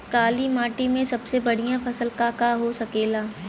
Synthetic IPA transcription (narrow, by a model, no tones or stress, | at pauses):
kaːlimaːʈimẽsɐbsebɐɽ̤ijãfʰɐsəlkakaɦosɐkeːlaː